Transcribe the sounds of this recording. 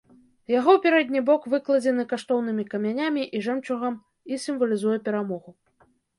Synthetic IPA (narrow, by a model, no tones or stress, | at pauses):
jaɣɔwpʲɛɾɛd̪ʲnʲibɔkvɨklˠɐd͡zʲɛnɨkaʂt̪ɔwnɨmʲikɐmʲanʲamʲiʔiʐɛmt͡ʂuɣɐm | isʲimvɐlʲizujɛpʲɛɾamɔɣu